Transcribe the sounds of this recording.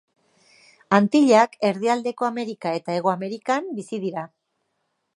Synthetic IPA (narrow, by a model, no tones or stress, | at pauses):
ant̪iʎake̞ɾð̞iald̪e̞ko̞ame̞ɾikae̞t̪ae̞ɣ̞o̞ame̞ɾikambisiðiɾa